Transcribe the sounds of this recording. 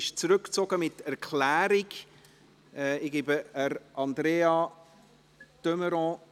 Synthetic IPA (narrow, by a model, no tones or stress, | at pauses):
ɪʃt͡sɾʏkt͡soɡəmɪtɛɾkʰlæːɾiɡ | ɛɪɡ̥ibəəɾʔɑnd̪ɾeːɑ | t̪øməɾɔ̃